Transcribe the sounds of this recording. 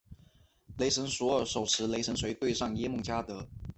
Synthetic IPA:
le˧˥ɪʂə˧˥ŋswɔ˧˥ə˧˥ʂo˨˩ʊʂɻ̩˧˥le˧˥ɪʂə˧˥nswe˧˥ɪt̪we˥˧ɪʂɑ˥˩ŋjɛ˥mɤ˥˩ŋt͡ɕja˥t̪ɤ˧˥

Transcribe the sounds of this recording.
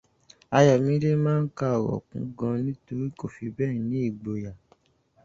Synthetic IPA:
a˧ja˨mĩ˧˦ɾe˦mãː˦n̩˦ka˦˨wɔ̰˨kṵ̃˨˦ɡã˧nĩ˦to˧ɾi˦ko˦˨fi˧bɛ̃ː˦˨nĩ˨˦i˦˨ɡ͡bo˨ja˨

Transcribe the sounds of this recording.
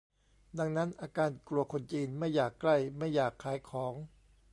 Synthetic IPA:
da˧ŋna˦˥nʔaː˧kaː˧nklu˧ɐkʰo˧nt͡ɕiː˧nma˥˩jːaː˨˩kːla˥˩jma˥˩jːaː˨˩kʰːaː˩˦jkʰɔː˩˦ŋ

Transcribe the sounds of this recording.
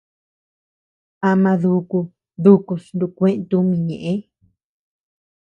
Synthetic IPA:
a˧mã˧ðu˧ku˧ | ðu˧ku˧snd̪u˧kʷẽ˦ʔt̪u˧˦mĩ˧˨ɲḛ̃˨ʔẽ˦

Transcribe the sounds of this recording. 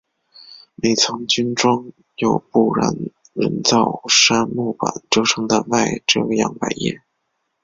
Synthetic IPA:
me˨˩ɪt͡sʰʊ˧˥ŋt͡ɕy˥nʈ͡ʂwɑ˥ŋ | jo˨˩ʊpu˥˩ɻa̰˧˥n | ɻə̰˧˥nt͡sɑ˥˩ʊʂa˥nmu˥˩pa̰˨˩nʈ͡ʂjo˥ʊʈ͡ʂʰɤ˧˥ŋd̪ə˧ma˥˧ɪʈ͡ʂɤ˥˧jɑ̰˥˩ŋpa̰˨˩ɪjɛ̰˥˩

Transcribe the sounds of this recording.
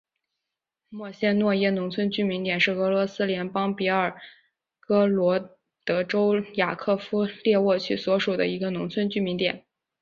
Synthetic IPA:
mwɔ˥˩ɕjɛ˥nnwɔ˥˧jɛ˥nʊ˧˥ŋt͡sʰwə˥nt͡ɕy˥mi˧˥nt̪jɛ˨˩nʂɻ̩˥˩ɤ˧˥lwɔ˧˥sɹ̩˥ljɛ˧˥npɑ˥ŋpi˧˥ə˞˨˩ | kɤ˥lwɔ˧˥ | t̪ɤ˧˥ʈ͡ʂo˥ʊja̰˨˩kʰɤ˥˩fu˥ljɛ˥˧wɔ˥˧t͡ɕʰy˥˩swɔ˧˥ʂu˨˩d̪ə̰˦i˧˥ɡə˧nʊ˧˥ŋt͡sʰwə˥nt͡ɕy˥mi˧˥nt̪jɛ̰˨˩˦n

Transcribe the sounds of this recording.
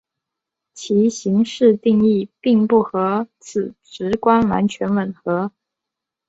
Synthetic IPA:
t͡ɕʰi˧˥ɕi˧˥ŋʂɻ̩˥˧t̪i˥˧ŋi˥˩pi˥˧ŋpu˥˩xɤ˧˥t͡sʰɹ̩˨˩ʈ͡ʂɻ̩˧˥kwa˥nwa̰˧˥nt͡ɕʰɥɛ˧˥nwə˨˩nxɤ˧˥

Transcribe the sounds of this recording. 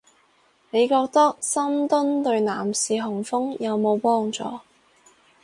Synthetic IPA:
ne˨˧jkɔː˧k̚t̪ɐ˥k̚sɐ˥mt̪ɵ˥nt̪ɵ˧ɥnaː˨˩msiː˨˧ɦʊ˨˩ŋfʊ˥ŋjɐ˨˧wmo˨˧wpɔː˥ŋt͡sɔ̰ː˨˧

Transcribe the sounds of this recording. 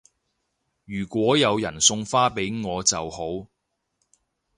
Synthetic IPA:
jyː˨˩kʷɔː˨˥jɐ˨˧wjɐ˨˩nsʊ˧ŋfaː˥pe˨˥jŋɔː˨˧t͡sɐ˨who˨˥w

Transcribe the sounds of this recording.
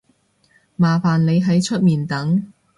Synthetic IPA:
maː˨faː˨nle˨˧jɦɐ˨˥jt͡ʃʰɵ˥t̚miː˨˩nt̪ɐ˨˥ŋ

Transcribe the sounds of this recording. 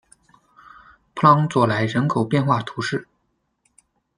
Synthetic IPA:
pʰlɑ˥ŋt͡swɔ˨˩la˧˥ɪɻə˧˥nkʰo˨˩ʊpjɛ˥˧nxwa˥˩t̪ʰu˧˥ʂɻ̩˥˩

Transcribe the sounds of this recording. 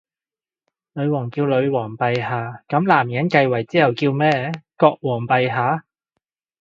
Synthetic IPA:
lɵ˨˧ɥwɔː˨˩ŋkiː˧wlɵ˨˧ɥwɔː˨˩ŋpɐ˨jhaː˨˧kɐ˨˥mlaː˨˩mjɐ˨˥nkɐ˧jwɐ˨˩jt͡siː˥hɐ˨wkiː˧wmɛː˥kɔː˧k̚wɔː˨˩ŋpɐ˨jɦaː˨˥

